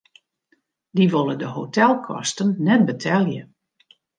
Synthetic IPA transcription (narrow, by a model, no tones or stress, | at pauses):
diʋolˠədəɦotʰɛlˠkʰɔ̰stənːɛt̚bətʰɛlˠjə